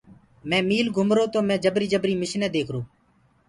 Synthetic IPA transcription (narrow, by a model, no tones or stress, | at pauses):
mɛ̃ːmiːlɡʱʊmɾoːt̪oːmɛ̃ːd͡ʒəbɾiːd͡ʒəbɾiːmɪʃnɛːd̪eːkʰɾoː